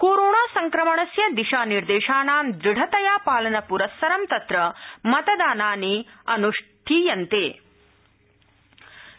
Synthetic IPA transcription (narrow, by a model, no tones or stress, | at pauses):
koːɾoːɳaːsɐŋkɾɐmɐɳɐsjɐd̪iʂaːniɾd̪eːʂaːnaːmd̪ɾiɽʱɐt̪ɐjaːpaːlɐnɐpuɾɐsːɐɾɐmt̪ɐt̪ɾɐmɐt̪ɐd̪aːnaːniɐnuʂʈ̪ʰiːjɐnt̪eː